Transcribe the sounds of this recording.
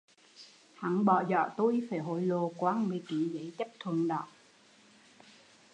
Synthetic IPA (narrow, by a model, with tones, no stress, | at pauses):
ha˨˦nɓɔ˧˨˩zɔ̰˧˨t̪u˧jfaː˧˩ɦo̰˧˨jlo˨˩kwaː˨˦nɓi˨˩˦ki˨˦zə˨˦jt͡ɕə˦˥p̚t̪ʰə˨˩əŋɗɔ̰˧˨ʔ